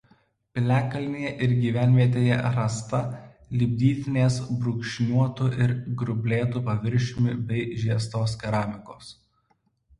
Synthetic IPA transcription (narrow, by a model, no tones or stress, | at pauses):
pʲɪlʲæːkɐlʲnʲejɛʔɪɾɡʲiːʋʲæˑnʲʋʲiɛt̪̬ʲeːjɛɾɐst̪ɐ | lʲiːbʲd̪ʲiːt̪ʲɪnʲeːsbɾʊkʃʲnʲuɔt̪ʊʔɪɾɡɾʊbʲlʲeːt̪ʊpɐʋʲɪɾʲʃʲɪmʲɪbʲɛɪʒʲiɛst̪oːskʲɛɾɑːmʲɪkoːs